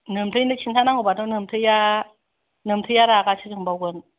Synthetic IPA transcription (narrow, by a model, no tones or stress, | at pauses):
nəmtʰəndək̚t͡ʃʰintʰanaŋubatnonɯmtʰɯja | nəmtʰəjaɾaːkat͡ʃʰikɯŋbawkən